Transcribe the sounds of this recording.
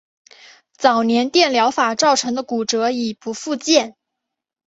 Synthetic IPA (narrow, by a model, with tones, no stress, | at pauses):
t͡sɑ˨˩ʊnjɛ˧˥nt̪jɛ˥˩nljɑ˧˥ʊfa˨˩ʈ͡ʂɑ˥˩ʊʈ͡ʂʰɤ˧˥ŋd̪ə˧ku˨˩ʈ͡ʂɤ˧˥i˨˩pu˧˥fu˥˧t͡ɕjɛ˥˩n